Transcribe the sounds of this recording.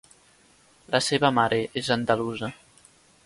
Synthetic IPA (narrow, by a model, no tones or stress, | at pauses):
lʔəseβəmaɾʔeʔezənd̪aluzə